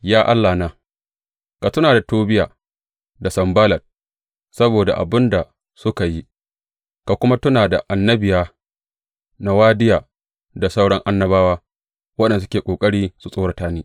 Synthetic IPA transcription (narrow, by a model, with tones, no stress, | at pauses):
jaː˦ʔa˦lːaː˨naː˦ | ka˨tʊ˦naː˨da˨toː˦bɪ˦jaː˨ | da˨sɐ˨mbaː˦lɐ˨t̚ | sɐ˦boː˨da̰˨ʔa̰˨bɪ˦nda˨ | sʊ˦ka˨ji˦ | ka˨kʷʊ˦ma˦tʊ˦naː˨da˨ʔa˨nːɐ˦bɪ˨jaː˦ | na˦waː˦dɪ˦jaː˨ | da˨sa˦wɽɔ˦ŋʔa˦nːɐ˦baː˦waː˦ | wɐ˦ɗɛ˨n˨s̬ʊ˦kʲeː˨kʷʼoː˨kʼɐ˦ɽiː˦su˨sʼoː˦ɽa˨taː˦niː˦